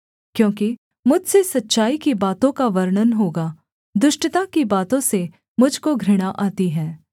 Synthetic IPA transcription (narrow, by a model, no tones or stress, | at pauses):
kjõːki | mʊd͡ʒʱsesɐtːʃaːikibaːt̪õkaʋɐɾɳənɦoːɡaː | d̪ʊʃʈət̪akibaːt̪õse | mʊd͡ʒʱkoɡʱɾɪɽ̃aʔaːt̪iɦɛː